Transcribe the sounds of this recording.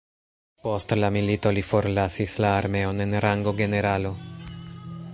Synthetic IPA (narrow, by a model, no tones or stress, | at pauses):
po̞stlamilito̞lifo̞ɾlasislaːɾme̞o̞ne̞nɾaŋɡo̞ɡe̞ne̞ɾalo̞